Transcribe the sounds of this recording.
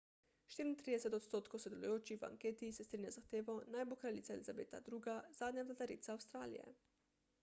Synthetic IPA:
ʃt̪iːɾint̪ɾiːd̪ɛsɛt̪ɔt̪st̪oːt̪kowsɔd̪ɛlṵjoːt͡ʃixʋa̰ŋkeːt̪isɛst̪ɾinjazaxt̪eːʋɔnajbokɾalit̪saɛlizabḛːt̪a̰d̪ɾuːɡaz̥aːd̪njavlat̪aɾiːt̪saːwst̪ɾaːlḭjɛ̰

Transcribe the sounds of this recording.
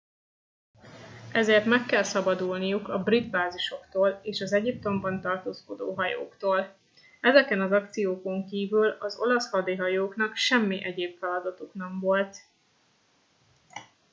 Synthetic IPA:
ɛzeːrt̪mɛkːɛlsɒbɒd̪ulnijukɒbrid̪baːziʃo̞kt̪oːleːʃɒzɛɟip̚t̪o̞mbɒnt̪ɒrt̪oːsko̞d̪o̰ːɦɒjo̰ːkt̪oːl | ɛzɛkɛnɒzɒk̚t̪sijoːko̞ŋkiːvylɒzo̞̰lɒshɒd̪eːɦɒjoːkn̪ɒkʃɛmːiʔɛɟeːpfɛlɒd̪ɒt̪uknɛɱvo̞lt̪

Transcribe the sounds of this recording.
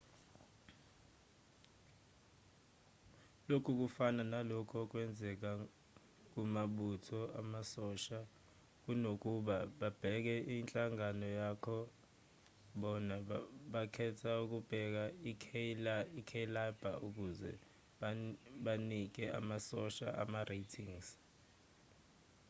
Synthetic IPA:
lokʰuk̬ufananalɔkʰɔk̬ʼwɛnd͡zʱɛk̬a | k̬umaɓutʰɔamasɔʃa | k̬unok̬ʼuɓaɓab̥ʱɛk̬ɛʔint͡ɬʼaŋanɔjakʰɔ | ɓɔnaɓakʰɛtʰauk̬ub̥ʱɛk̬ai | ikʰelab̥ʱa̰uk̬ʼuzɛ̰ | ɓanik̬ɛʔa̰masɔʃaʔa̰marʔetʰiŋs

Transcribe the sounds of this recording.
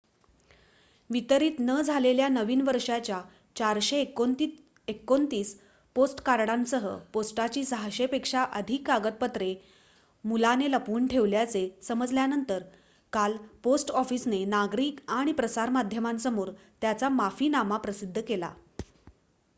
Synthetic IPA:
ʋit̪əɾiːt̪nəd͡zʱaleljanəʋiːnʋəɾʂat͡ɕja | t͡ɕaɾɕek̪ | ekːont̪iːs | posʈkaɾɽãnsəɦə̰posʈat͡ɕiːsəɦaɕepekʂaʔəd̪ʱikːaɡət̪̚pət̪ɾe | mulaneləpuːɳʈʰeʋljat͡sesəməd͡zljanənt̪əɾ | kalposʈɔfiːsnenaɡɾiːkaɽ̃ipɾəsaɾmad̪ʱjəmãnsəmuːɾt̪jat͡samafiːnamapɾəsid̪ʱːəkela̰

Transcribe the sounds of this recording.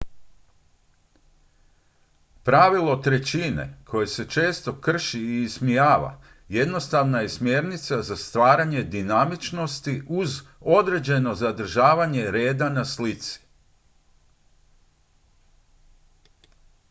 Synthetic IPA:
pɾaʋilˠo̞t̪ɾe̞t͡ɕine̞̰kʰo̞je̞se̞t͡ʃe̞ːst̪o̞kr̩ʃiːsmijaːʋa̰ | je̞d̪no̞st̪aʋnaje̞smje̞ɾnit̪sazast̪ʋaːɾaɲe̞d̪inamit͡ʃno̞st̪iʔuzo̞d̪ɾe̞d͡ʑe̞no̞zad̪r̩ʒaːʋaɲe̞ɾe̞ːd̪anaslit̪si̥

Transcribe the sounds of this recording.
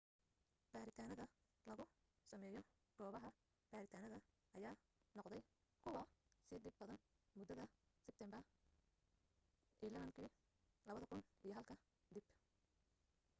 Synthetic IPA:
b̥aːɾɪt̪ʰaːnɐðɐ | lɐɣʊ | sɐmɛːjɔ | ɡ̥ɔːβɐɦɐ | b̥aːɾɪt̪ʰaːnɐðɐ | ʔɐjaː | nɔqd̪ɛj | kʰʊwɑsɪd̪ɪbbɐðɐn | mʊd̪ɐðɐsɪb̚t̪ʰɛmbɐ | ʔilɐβɐŋkʰiː | lɐβɐðɐkʰʊnʔijɞɦɐlkʰɐ | d̪ib

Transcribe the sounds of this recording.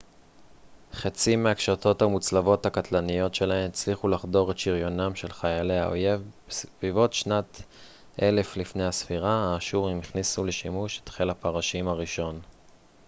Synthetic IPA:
χet͡simeakʃato̞thamut͡slavo̞thakatlanijo̞tʃe̞lahe̞met͡sliχulaχdo̞ʁetʃiʁjo̞namʃe̞lχajale̞a̰o̰je̞vbesvivo̞tʃnat | ʔele̞flifne̞jasfiʁaaːʃuʁimiχnisule̞ʃimuʃe̥t̪χelapaʁaʃimaʁiʃo̞n

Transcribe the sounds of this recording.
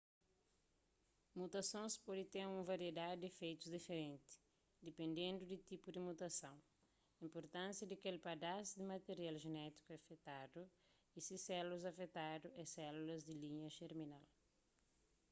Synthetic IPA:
mut̪ɐsõspɔd̪it̪eɾũmɐvaɾied̪ad̪ɪd̪efejt̪uzd̪ifeɾẽnt̪ɪ̥ | d̪epẽnd̪ẽnd̪ud̪ɪt̪ipud̪imut̪ɐsɐ̃w̃ | ĩmpoɾt̪ãnsjɐd̪ɐkelpad̪asud̪ɪmat̪eɾialʒenɛt̪i̥kuafet̪ad̪u | isisɛluɐzɐfet̪ad̪uɛsɛlulɐzd̪ɪliɲɐʃeɾminal

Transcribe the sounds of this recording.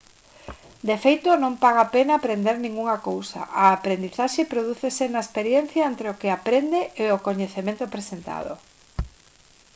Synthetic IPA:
d̪efejt̪onõŋpaɣ̞apenaːpɾend̪eɾnĩŋɡuŋɐkowsɐ̰ʔaːpɾend̪iθaʃepɾoðuθesenaespeɾjen̟θjaent̪ɾeokeapɾend̪eʔeokoɲeθemẽnt̪opɾesent̪a̰ðo̰

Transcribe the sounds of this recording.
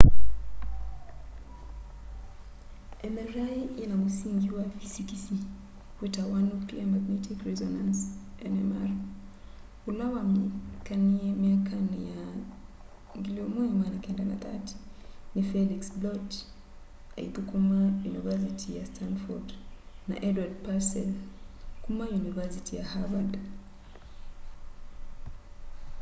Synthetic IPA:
ɛmɛɾaiinamusiŋɡiwavisikisi | wɛtawanukliamaɡnɛtʰikɹɛzɔnãnsɛnɛmaɾa | ulawamkanimiakanija | ŋɡiliɔmɔjimanakɛndana̰t̪ati̥nifɛliksblɔt | aḭt̪ukumajunivɛs̬itʰijastʰanfɔdna̰ʔɛdwadpasɛlkumajunivɛsitijahavand

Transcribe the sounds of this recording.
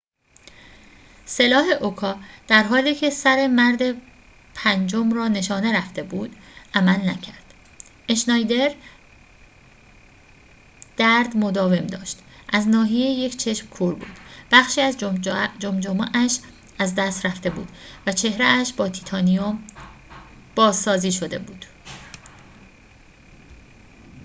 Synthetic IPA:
se̞lɒːɦe̞ʔokʰɒːd̪̥æɾɦɒːliːcʰe̞sæɾe̞mæɾd̪e̞ | pʰænd͡ʒomrɒːne̞ʃɒːne̞ɾæft̪e̞buːd̪ʔæmælnæcʰæɾd̪̥ | ʔeʃnɒːjd̪e̞ɾ | d̪̥æɾd̪mo̞d̪ɒːve̞md̪ɒ̰ːʃt̪ʔæznɒːɦijeeje̞cʰt͡ʃʰe̞ʃmkʰuɾbṵːd̪̥b̥æχʃiːæzd͡ʒomd͡ʒomɑʔæʃ | æzd̪æst̪ɾæft̪e̞bṵːd̪̥væt͡ʃʰe̞hɾeæʃbɒːt̪ʰi̥t̪ʰɒːnijom | b̥ɒːzsɒːziːʃo̞d̪e̞̰buːd̪̥

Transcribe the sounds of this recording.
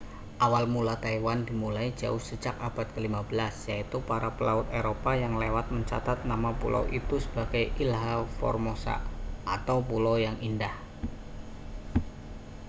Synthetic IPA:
ʔawalmulat̪aiwandimulaid͡ʒaʊhsəd͡ʒakab̥at̪̚kəlimabəlasjait̪upaɾapəlaʊt̪̚eɾopajaŋlewat̪̚məɲt͡ʃa̰t̪at̪̚namapṵla̰wʔit̪usə̥b̥aɡ̥ajilɦafɔ̰rmosa̰at̪awpulajaŋindah

